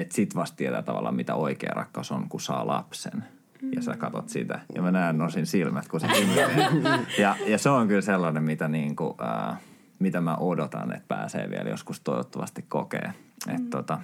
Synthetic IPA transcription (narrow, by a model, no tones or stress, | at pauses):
et̪sit̪ʋɑst̪t̪iet̪æːt̪ɑʋɑ̰lːɑ̰mit̪æoikḛːrɑ̰kːɑusoŋkusɑːlɑ̰psen | jɑsækɑt̪ot̪sḭt̪æjɑmænænnosinsilmæt̪kusesin | jɑjɑseoŋkylselːɑnemit̪æniːŋkuəː | mit̪æmæʔodot̪ɑnḛt̪̚pæːsḛːʋḭæljo̰skust̪oiʋot̪ːɑʋɑst̪ikkokḛːet̪t̪ot̪ɑ